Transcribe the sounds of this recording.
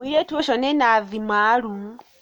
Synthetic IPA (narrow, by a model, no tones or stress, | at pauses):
iɾetwoʃonenaðimalu